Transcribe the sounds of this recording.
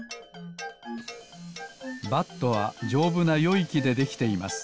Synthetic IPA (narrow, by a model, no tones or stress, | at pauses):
bat̪ːo̞βad͡ʑo̞ːbɯ̟najo̞ikʲid̪e̞d̪e̞kʲi̥t̪e̞ima̰sɨ̥